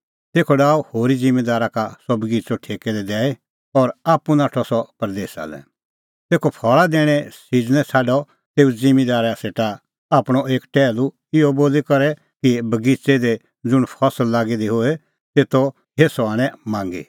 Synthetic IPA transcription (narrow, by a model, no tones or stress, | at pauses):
t̪eːkʰɔɖaːuhoːɾid͡zɪ̃med̪aːɾakasɔbɐɡit͡sɔʈʰeːkɛd̪ɛd̪ɛːe | ɔɾaːpunaːʈʰɔsɔpɐɾd̪eːsa̰lɛ̰ | t̪eːkʰɔpʰɔːɭad̪eːɽ̃ɛsid͡ʒnɛ̃t͡sʰaːɖɔ | t̪eːud͡zɪmed̪aːɾaseːʈa | aːpɽ̃ɔeːkʈɛːlu | ɪɔboːlikɐɾɛ | kibɐɡit͡sed̪e | d͡zʊɽ̃pʰɔsəlːaːɡid̪iɦoe | seːt̪ɔ | ɦeːsɔaːɽ̃ɛ̃mãːŋɡḭ